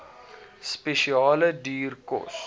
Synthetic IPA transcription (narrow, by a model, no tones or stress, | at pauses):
speʃiɑːlədiːrkɔ̰s